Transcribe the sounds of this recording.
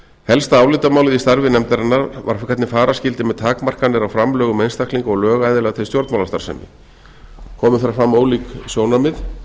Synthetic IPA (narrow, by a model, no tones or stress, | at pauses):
hɛlst̪aaːwlɪːt̪amaːwlɪðist̪aɾvɪnɛmt̪aɾɪnːaɾva̰ɾ̥kʰɛt̪nɪfaːɾascɪlt̪ɪmɛðt̪ʰaːkmar̥kanɪɾawfɾamlœːɣʏmejnst̪aktliŋkɔɣlœːɣaːjðɪlɛɣt̪ʰej̪st̪jɔɾt̪mawlast̪a̰ɾ̥sɛ̰mɪ̰ | kʰɔːmʏθaɾfɾamːoːwliksjoːwnamɪð